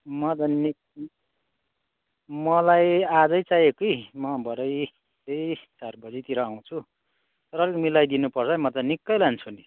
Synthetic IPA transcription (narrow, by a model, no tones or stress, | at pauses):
mʌd̪ʌnik | mʌlajad͡zʌjt͡sajekoimʌbʱʌɾʌj | tejsarbʌd͡zit̪iɾʌaw̃t͡sʰu | t̪ʌɾʌɾikmilajd̪inupʌrt͡sʰʌimʌt̪ʌnikːʌjlant͡sʰuni